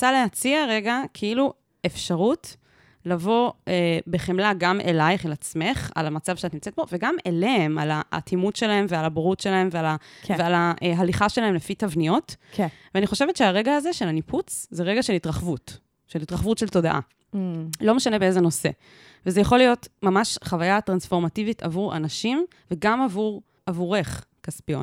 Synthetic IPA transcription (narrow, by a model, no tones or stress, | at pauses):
t͡salehat͡siaʁe̞ɡakʰeilu | efʃaʁut | lavo̞ebeχemlaɡamʔḛlajχelat͡sme̞χa̰lamat͡savʃeatnimt͡set̚bo̞veɡameleema̰latʰimutʃelae̞mvealaboʁutʃelae̞mvealavealaʔɦaliχaʃelahemlefitavnijo̞tveaniχo̞ʃe̞vetʃeaʁeɡaːzeʃe̞laniput͡szeʁeɡaʃe̞litʁaχvut | ʃelitʁaχvutʃelto̞da̰ʔa̰ | lo̞meʃanebeezeno̞se̞̰ | vezejaχo̞lijo̞tmamaʃχavajatʁansfo̞ʁmativitʰa̰vuʁa̰naʃim | veɡamavuʁ | avuʁe̞χ | kaspijo̞̰n